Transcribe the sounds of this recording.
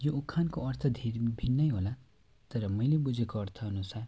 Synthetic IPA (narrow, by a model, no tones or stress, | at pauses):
joukʰːankoʌɾt̪ʰʌd̪ʱeɾbʱinːʌjɦola | t̪ʌɾʌmʌjlebud͡zʱekoʌɾt̪ʰʌʌnusaɾ